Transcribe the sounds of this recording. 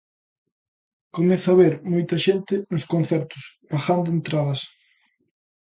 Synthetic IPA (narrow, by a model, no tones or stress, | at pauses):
komeθʊaβeɾmojt̪ɐʃent̪ɪnʊskon̟θɛɾt̪ʊs | βaxand̪ʊent̪ɾaðɐs